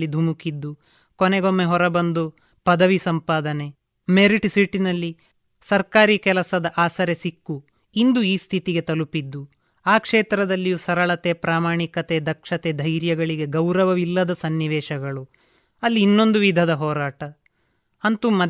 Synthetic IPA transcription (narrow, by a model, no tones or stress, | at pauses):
id̪ʱumukid̪ːu | kɔneɡomːeɦɔɾɐbɐnd̪u | pɐd̪ɐʋisɐmpaːd̪ɐne̞ | meɾiʈsiʈinɐlːi | sɐɾkaːɾiːkɛlɐsɐd̪ɐʔaːsɐɾesikːu | ind̪uiːst̪ʰit̪iɡe̞t̪ɐlupid̪ːu | aːkʂeːt̪ɾɐd̪ɐlːijusɐɾɐɭɐt̪epɾaːmaːɳikɐt̪e̞d̪ɐkʂɐt̪ed̪ʱɐjɾjɐɡɐɭiɡe̞ɡɐwɾɐʋɐʋilːɐd̪ɐsɐnːiʋɛːʃɐɡɐɭu | ɐlːiːnːo̞nd̪uʋid̪ʱɐd̪ɐɦɔːɾaːʈɐ | ɐnt̪umɐ